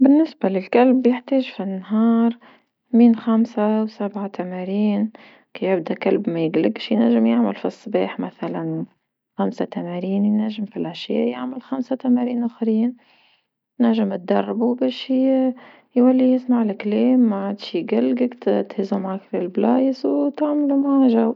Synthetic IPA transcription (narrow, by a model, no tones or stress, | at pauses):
bɪnːɪsbalɪlkælbjəħt̪eːʒfinːɦɑːɾˤ | miːnxamsawsabʕat̪amæɾiːn | kijɪbd̪ækalbmæjɪɡlɪɡʃjnæʒːɪmjaʕmalfisˤːbɑ̰ːħmæθalan | xamsat̪æmæɾiːnjnæʒːɪmfilʔaʃjæ̰ːʔjɪʕməlxamsat̪æmæɾiːnʔaxɾiːn | næʒːɪmɪt̪̚d̪ɑ̰rˤːbubæːʃ | jwælːijɪsmaʕlɪkleːmːaʕad̪ʃjɡalɡəkt̪t̪hɪzumaʕakfilblɑːjəswt̪aʕmlumaʕaʒaw